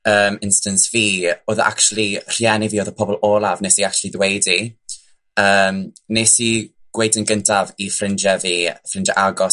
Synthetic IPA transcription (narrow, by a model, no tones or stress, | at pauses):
əːmɪ̃nstənsviːoːðə̰ʔa̰k̚t͡ʃlˠir̥jɛniviːoːðəpʰɔbɔlˠɔːlˠavneːsiak̚t͡ʃʰulˠiðwejdi | əːmneːsi | ɡ̥wejdənɡəntʰavifrɪnd͡ʒəviːfrɪnd͡ʒəʔaɡɔs